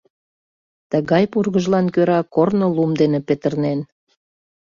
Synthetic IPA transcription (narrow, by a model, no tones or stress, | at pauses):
t̪əɣɑjpurɣəʒlɑnkøɾɑkornolumd̪enepet̪ərnen